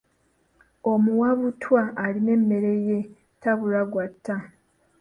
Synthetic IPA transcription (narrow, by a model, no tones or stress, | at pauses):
o̞muwaβutʰwaːline̞mːe̞ɾe̞je̞ | taβuɾaɡwatʰːa